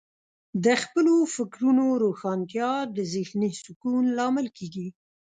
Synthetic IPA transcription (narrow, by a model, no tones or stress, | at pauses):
d̪əxpəlofɪkɾunoɾoxɑnt̪jɑd̪əzɪxnisʊkunlɑmɪlkeɡi